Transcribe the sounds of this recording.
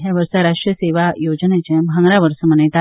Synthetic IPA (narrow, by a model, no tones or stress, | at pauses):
ɦjaʋəɾsaɾaʂʈɾijəseʋajod͡ʑnet͡ɕẽmʱãŋɡɾaʋəɾsəmənet̪a